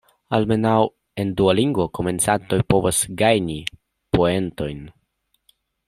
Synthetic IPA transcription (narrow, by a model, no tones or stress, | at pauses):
alme̞naw | e̞ndualiŋɡvoko̞me̞nt͡sat̪o̞jpo̞vasɡajni | poe̞nto̞jn